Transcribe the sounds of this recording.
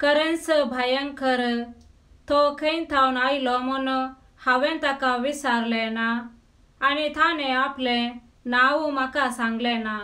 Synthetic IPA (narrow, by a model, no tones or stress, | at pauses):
kəɾẽnsəbʱajənkʰəɾ | t̪ɔkʰə̃nt̪ʰawnailɔmɔnɔ | haʋɛ̃nt̪akaʋisaɾlɛ̃naː | nit̪ʰãnɛaplẽ | naʋumakasãŋɡlɛna